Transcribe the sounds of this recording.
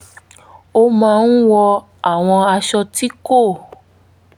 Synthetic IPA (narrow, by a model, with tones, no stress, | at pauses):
o˧mãː˧n̩˦wɔ˧ | a˦˨w̃ɔ̃˧a˧ʃɔ˧ti˦ko˦˨